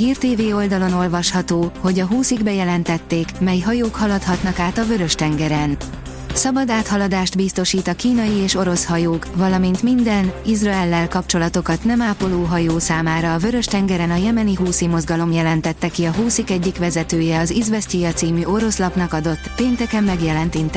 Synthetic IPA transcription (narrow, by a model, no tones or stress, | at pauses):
ɦiːrt̪eːveːo̞ld̪ɒlo̞no̞lvɒʃhɒt̪oːho̞ɟɒɦuːsiɡbɛjɛlɛnt̪ɛt̪ːeːkmɛjɦɒjoːkhɒlɒt̪hɒt̪nɒkaːt̪ɒvø̞ɾø̞ʃt̪ɛŋɡɛɾɛn | sɒbɒd̪aːt̪hɒlɒd̪aːʃt̪bist̪o̞ʃiːt̪ɒkiːnɒjieːʃo̞ɾo̞shɒjoːkvɒlɒmint̪mind̪ɛnizrɒɛlːɛlkɒpt͡ʃo̞lɒt̪o̞kɒt̪nɛmaːpo̞loːɦɒjoːsaːmaːɾɒːvø̞ɾø̞ʃt̪ɛŋɡɛɾɛnɒjɛmɛniɦuːsimo̞zɡɒlo̞mjɛlɛnt̪ɛt̪ːɛkiɒɦuːsikɛɟːikʋɛzɛt̪øːjɛɒzizvɛscijɒt̪siːmyʔo̞ɾo̞slɒpnɒkɒd̪o̞t̪ːpeːnt̪ɛkɛmːɛɡjɛlɛnt̪int̪